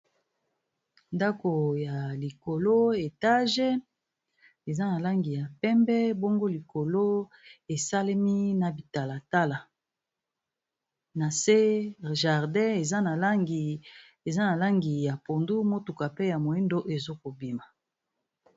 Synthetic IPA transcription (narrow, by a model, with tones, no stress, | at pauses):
nda˦ko˨ja˨li˨ko˨lo˦e˨ta˦ʒe˦ | e˨za˦na˨la˦ŋɡi˨ja˨pɛ˦mbɛ˦bo˦ŋɡo˦li˨ko˨lo˦ | e˨sa˦le˦mi˦na˨bi˨ta˨la˨ta˦la˨ | na˨se˦ʒa˨ʁdɛ̃˦e˨za˦na˨lɡ | e˨za˦na˨la˦ŋɡi˨ja˨po˨ndu˦mo˦tu˨ka˨pe˦ja˨mo˨i˦ndo˦ʔe˨zo˦ko˨bi˨ma˨